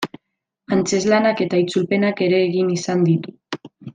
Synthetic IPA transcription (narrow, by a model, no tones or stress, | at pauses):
ant͡se̞zlanake̞t̪ait͡sulpe̞nake̞ɾe̞ːɣinisand̪it̪u